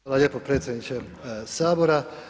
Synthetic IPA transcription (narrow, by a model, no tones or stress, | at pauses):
alaʎjeːpopɾe̞ːt̪sʲjed̪nit͡ʃe | saːboɾa